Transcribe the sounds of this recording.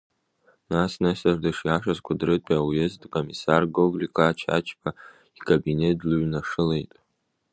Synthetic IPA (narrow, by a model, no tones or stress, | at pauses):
nasnɨsardɨʂjaʂazkʷadrɨtʼiawjezdʼkʼomisarɡoɡlikʼaːt͡ʃʰa̰t͡ʃʰpʰa | ikʼabinetluɥnaʂɨle̞jtʼ